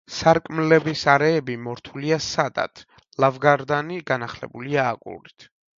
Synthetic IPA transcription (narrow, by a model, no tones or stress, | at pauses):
saɾkʼmlɛbisaɾɛːbimɔɾt̪ʰuliasad̪a̰t̪ʰ | lˠavɡaɾd̪aniɡanaχlɛ̰buliaːkʼṵlit̪ʰ